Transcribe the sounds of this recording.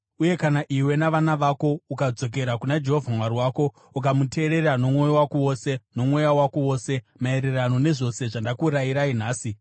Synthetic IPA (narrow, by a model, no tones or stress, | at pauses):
uje̞kanaʔiwe̞naʋanaʋako̞ukad͡zo̞k̬e̞ɾakunad͡ʒeɦovʱamwaɾiwaːko̞ | ukamute̞ːɾe̞ɾano̞mŋo̞jowakowoseno̞mwo̞jawakowo̞ːse̞ | mae̞ɾe̞rano̞ne̞ʐo̞se̞ʐandakuːɾaiɾain̤aːsi